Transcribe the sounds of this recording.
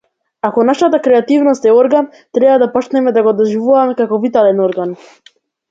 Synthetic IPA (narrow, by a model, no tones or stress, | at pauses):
akɔnaʃat̪akɾɛat̪ivnɔst̪ɛɔɾɡan | t̪ɾɛbad̪apɔt͡ʃnɛmɛd̪aɡɔd̪ɔʒivuvamɛkakɔvit̪alɛnɔɾɡan